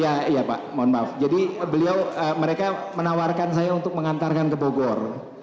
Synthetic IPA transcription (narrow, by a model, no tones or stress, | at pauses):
jaijapa̰ʔmɔnbafd͡ʒadibəliawəməɾekamənawarkansajaunt̪ʊk̚məŋant̪arkankəboɡɔr